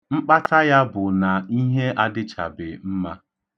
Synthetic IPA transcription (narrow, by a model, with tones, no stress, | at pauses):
ŋ͡m̩˦k͡pa˦tʰa˦ja˦bʊ˨na˨i˦ɦe˦ʔa˦dɪ˦t͡ʃa̰˨bɪ˨m̩˦ma˦